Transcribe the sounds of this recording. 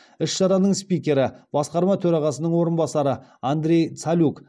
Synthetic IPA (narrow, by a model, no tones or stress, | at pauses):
ɪʃʒɑɾɑnəɴspʲijkʲe̞ɾɪb̥ɑsqɑɾmɑt̪ʰɵɾɑʁɑsənəɴwo̞ɾənbɑsɑɾəand̪ɾʲe̞jt̪salʲuk